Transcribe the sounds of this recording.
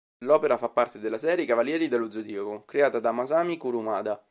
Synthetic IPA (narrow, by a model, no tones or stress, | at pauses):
lɔːpeɾafapːart̪ed̪elːasɛːɾjekavaljɛːɾid̪elːud̪zod̪iokokɾeaːt̪ad̪amazaːmikuɾumaːd̪a